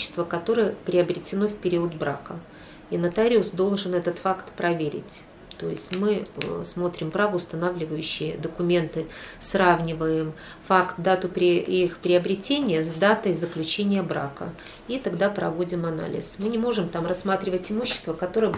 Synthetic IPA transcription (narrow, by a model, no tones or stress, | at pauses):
ɪ̥st̪vəkɐt̪o̞ɾɨjəpɾʲɪɐbɾʲɪtʲɪno̞fpʲɪɾʲiʊəd̪bɾa̰kə | iɪnɐt̪aɾʲɪʊsd̪o̞lˠʐɨnɛt̪ət̪fakt̪pɾɐvʲeɾʲɪ̰tʲ | t̪o̞jɪ̰sʲtʲmɨsmo̞t̪ɾʲɪmbɾavəʊst̪ɐnavlʲɪvəjʉɕːɪjəd̪əkʊmʲe̞nt̪ɨsravnʲɪvəjɪmfakt̪̚d̪at̪ʊpɾʲɪixpɾʲɪɐbɾʲɪtʲenʲɪjəzd̪at̪əjzəklʲʉt͡ɕenʲɪjəbɾa̰kə̰ | it̪ɐɡd̪apɾɐ̰vo̞dʲɪmɐna̰lʲɪ̰smɨnʲɪmo̞ʐɨmt̪amrɐsːmat̪ɾʲɪvətʲɪmuɕːɪ̥st̪vəkɐt̪o̞ɾəjə